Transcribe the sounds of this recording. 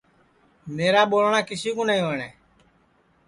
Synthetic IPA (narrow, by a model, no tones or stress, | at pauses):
meːɾaːɓoːlɳaːkɪsiːkõːnəĩːoːɳɛː